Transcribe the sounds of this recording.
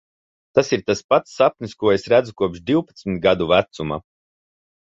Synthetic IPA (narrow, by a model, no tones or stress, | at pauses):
t̪asiɾt̪aspat̪sːap̚nʲiskuɔesɾæd̪zukuɔpʃd̪iwpat̪smit̪̚ɡad̪uvæt̪suma̰